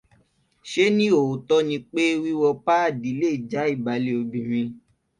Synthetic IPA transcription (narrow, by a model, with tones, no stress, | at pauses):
ʃe˦nĩ˦o˨o˨tɔ˦nĩ˧k͡pe˦wi˦wɔ˧pa˦a˦˨di˨˦le˦i˨d͡ʒa˨˦i˦˨ba˨˦le˧o˧bĩ˨ɾ̃ĩ˧